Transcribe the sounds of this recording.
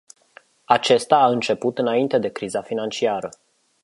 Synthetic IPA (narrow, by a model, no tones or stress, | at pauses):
at͡ʃe̞st̪aːɨnt͡ʃe̞put̪ɨnaint̪e̞d̪e̞kɾizafinant͡ʃiaɾə